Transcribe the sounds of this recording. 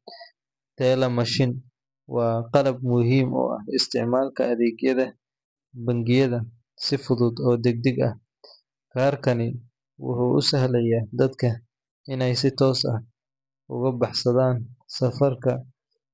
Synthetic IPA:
t̪ʰɛːlɐmɐʃɪn | wɑːqɑlɐb̚mʊɦiːmɔ̰ːɐ̰hɪst̪ʰɪʕmaːlkʰɐɐðɛːɡjɐðɐ | bɐŋɡɪjɐðɐ | sɪfʊðʊd̪ɔːd̪ɛɡ̚d̪ɪɡɐ̰h | kʰaːrkʰɐnɪ | wʊ̰ħʊːʔʊsɐɦlɛjaːd̪ɐd̪kʰɐ | ɪnɛjsɪt̪ʰɔːsɐ̰h | ʊ̰ɣɐbɑħsɐðaːnsɐfɐrkʰɐ

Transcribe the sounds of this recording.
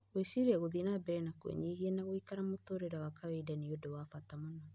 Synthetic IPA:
wesiɾaɣoðinabɛɾɛnakowɛ̰ɲeɣiɛnaɣoikaɾamotoːɾeɾawakawɛdaniodowaːfatamana

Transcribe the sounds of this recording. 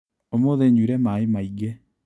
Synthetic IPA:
omoðeɲuɾɛmaemaiɡe

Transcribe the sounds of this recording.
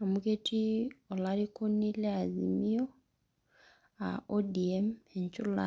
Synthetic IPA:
amuɡetʰiolaɾikonileazḭmio | a̰odiemeɲcula̰

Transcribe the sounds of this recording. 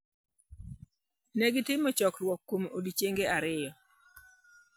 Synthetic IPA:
nɛɡɪtɪmɔt͡ʃɔkrwɔkːomodit͡ʃeŋɡeʔaɾɪjɔ

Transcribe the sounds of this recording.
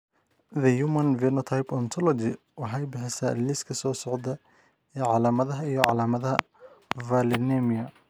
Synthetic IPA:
ðɐjumɐnvɛnɔt̪ʰajpɔnt̪ʰɔlɔd͡ʒɪ | wɑħɛjbɪħɛsɐlɪskʰɐsɔːsɔʕd̪ɐ | ɛːʕɑlaːmɐðɐɦɐijɔʕɑ̰laːmɐðɐɦɐ | vɐlɪnɛmiɐ

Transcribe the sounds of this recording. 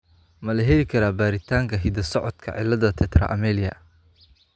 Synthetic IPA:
mɐlɐɦɛlɪkʰɐɾaːbaːɾɪt̪ʰaːŋkʰɐɦɪd̪ɐsɔʕɔd̪kʰɐ̰ʕɪ̰lɐðɐt̪ʰɛt̪rɐ̰ʔɐmɛːlɪjɐ̰

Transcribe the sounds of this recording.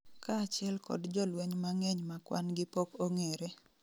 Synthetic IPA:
kat͡ʃɪɛlkɔ̰dd͡ʒɔlweɲmaŋeɲmakwa̰nɡɪpokoŋeɾe

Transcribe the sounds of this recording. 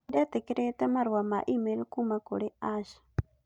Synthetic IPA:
diat̪ɛkɛɾet̪amaɾwamaʔimɛɾkumakoɺɛaʃḁ

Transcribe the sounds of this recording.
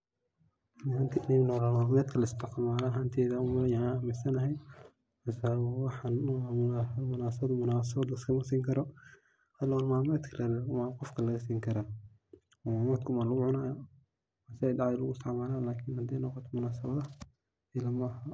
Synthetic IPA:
nhant̪ʰinɛnɔːlɐmaːmɛːd̪kʰɐlɐɪst̪ʰɪqmaːlaɦant̪ʰɛːðɐʊmɐjaamɪsɐnɐɦɛj | mɐsawɑħan | mʊnaːsɐɐd̪mʊnaːs̬ɐβɐd̪ɐɪskʰɐmɐsiːŋkʰɐɾɔ | hɐlɔlmaːmɛd̪kʰɐlʔɐlmaːqɔfkʰɐlɐɣɐs̬iːŋkʰɐɾaː | maːmɛd̪kʰʊmaːlɐɣʊʕʊnaːj | masɪɛjdɑʕjɛlʊɣʊsɐʕmaːlaːlaːkʰinhɐd̪ɛjnɔqɔt̪ʰɔmʊnaːsɐβɐðɐ | ɪlɐmɐːha

